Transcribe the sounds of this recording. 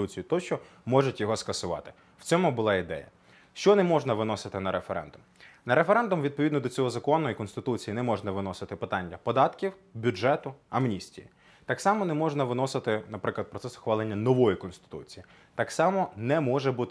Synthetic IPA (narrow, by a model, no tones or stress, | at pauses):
ut͡sʲijʊt̪ɔʃt͡ʃɔmɔʒʊtʲjɔɦɔskɐsʊʋɑ̰t̪ɪ̥ | wt͡sʲɔmʊbʊlˠɑid̪ɛ̰jɐ̰ | ʃt͡ʃɔnɛmɔʒnɐʋɪnɔsɪt̪ɪnɐɾefeɾɛ̰nd̪ʊmnɐɾefeɾɛnd̪ʊmʋʲid̪̚pɔʋʲid̪nɔd̪ɔt͡sʲɔɦɔzɐkɔnːɔjikɔnst̪ɪt̪ut͡sʲijinɛmɔʐnɐʋɪnɔsɪt̪ɪpɪt̪ɑnʲːɐpɔd̪ɑt̪kʲiwbʲuʒɛt̪ʊɐmnʲisʲtʲḭjḭ | t̪ɑksɑmɔnɛmɔʒnɐʋɪnɔsɪt̪ɪnɐpɾɪklˠɐd̪̚pɾɔt̪sɛsʊ̥xʋɑlˠenʲːɐnɔʋɔjikɔnst̪ɪ̥t̪ṵt͡sʲiji | t̪ɑksɑmɔnɛmɔʒɛbut̪ɪ